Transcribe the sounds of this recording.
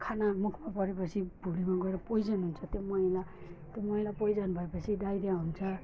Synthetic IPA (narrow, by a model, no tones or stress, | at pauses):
kʰanamukʰmapʌɾepʌt͡sʰibʱulimaɡʌeɾʌpojd͡zʌnɦunt͡sʰʌt̪jomʌilat̪jomʌĩlapojd͡zʌnbʱʌepʌt͡sʰidajɾaɦunt͡sʰʌ